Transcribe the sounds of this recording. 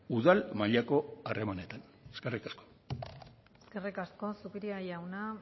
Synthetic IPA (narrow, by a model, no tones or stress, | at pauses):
uðalmaʎako̞are̞mane̞t̪an | eske̞rikasko | eske̞rikasko̞sukiɾiajawna